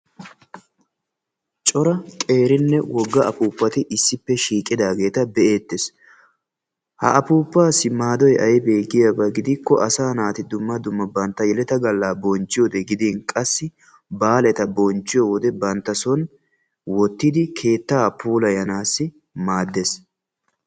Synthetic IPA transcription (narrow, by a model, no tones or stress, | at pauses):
t͡ʃʼɔɾɐkʼe̞ːɾɪnːɛwɔɡːɐʔɐpuːpːɐt̪ɪʔɪsːɪpːɛʃiːkʼɪd̪aːɡe̞ːt̪ɐbɛʔe̞ːt̪ːes | hɐ̰ʔɐpuːpːaːsːɪmaːd̪ɔjʔɐjbeːɡɪjɐbɐɡɪd̪ɪkːɔʔɐsaːnaːt̪ɪd̪ʊmːɐd̪ʊmːɐbɐnt̪ːɐjɛlɛt̪ɐɡɐlːaːbɔnt͡ʃːɪjɔd̪ɛɡɪd̪iːnkʼɐsːɪ | baːlɛt̪ɐbɔnt͡ʃːɪjɔwɔd̪ɛbɐnt̪ːɐsɔn | wɔt̪ːɪd̪ɪkʰe̞ːt̪ːaːpʰuːlɐjɐnaːsːɪ | maːd̪ːes